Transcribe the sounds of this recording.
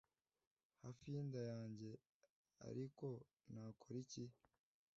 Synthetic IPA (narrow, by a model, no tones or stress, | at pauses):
hafiːndajaːɲɟe̞ | a̰ɾiko̞ | naːkʰoɾici